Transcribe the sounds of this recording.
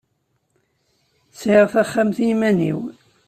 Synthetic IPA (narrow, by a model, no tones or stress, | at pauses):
sʕiʁθæχːamθimænḭw